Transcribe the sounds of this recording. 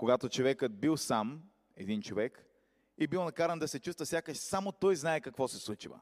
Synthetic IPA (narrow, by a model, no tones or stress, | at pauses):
koɡat̪ot͡ʃovɛkət̪̚bilˠsam | ɛ̰d̪int͡ʃovɛk | ibilˠnɐkaɾənd̪ɐsɛt͡ʃust̪vɐsʲakəʃsamot̪ɔjznaɛkɐkvɔsɛslˠut͡ʃivə̰